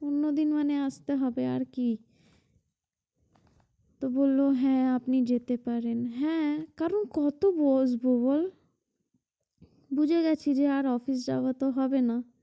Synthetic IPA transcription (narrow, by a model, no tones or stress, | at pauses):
ʊnːod̪inmɛneast̪eɦɔbea̰ːɾki | t̪oboːlːoɦɛ̃apnid͡ʒeːt̪epəɾenɦɛ̃kaːɾənkɔt̪obosbobol | bud͡ʒʱeɡat͡ʃʰid͡ʒeaːɾɔːfʰis̬d͡ʒa̰ːʋat̪oɦɔbena